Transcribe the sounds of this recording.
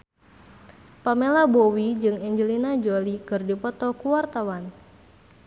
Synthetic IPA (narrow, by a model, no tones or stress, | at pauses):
pamelabowid͡ʒɨŋɛɲd͡ʒəlinad͡ʒolikɨrdipɔt̪ɔkuwart̪awan